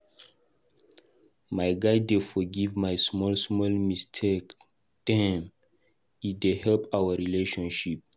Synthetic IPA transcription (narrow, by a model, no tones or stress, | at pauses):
majɡajdefɔɡivmajsmɔlsmɔlmistʰek | tãm | idehɛlpawəɹileʃɔ̃nʃip̚